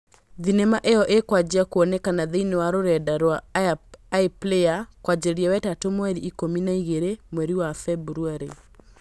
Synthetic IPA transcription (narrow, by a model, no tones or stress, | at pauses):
ðinɛmaʔejɔʔekwad͡ʑiakoɔnɛkanaðeinewaɾoɾɛdaɾwa | epleakwad͡ʒeɾiawɛtatomoɛɾiʔːkominaiɣeɾemwɛɾiwafɛbuɾuaɾe